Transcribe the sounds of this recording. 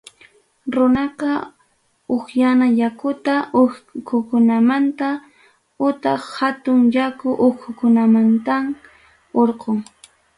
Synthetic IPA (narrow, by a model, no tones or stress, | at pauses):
ɾʊnɑqɑ | ʊχjanajakʊt̪aʊkʰʊkʊnamant̪a | ʊt̪ɑhat̪ʊŋjakʊʔʊkʰʊkʊnamant̪am | oɾqoŋ